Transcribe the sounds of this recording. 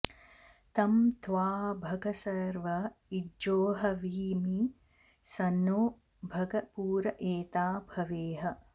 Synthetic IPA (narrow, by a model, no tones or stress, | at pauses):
t̪ɐmt̪ʰʋaːbʱɐɡɐsɐɾʋɐioːɦɐʋiːmi | sɐnoː | bʱɐɡɐpuːɾɐʔeːt̪aːbʱɐʋeːɦɐ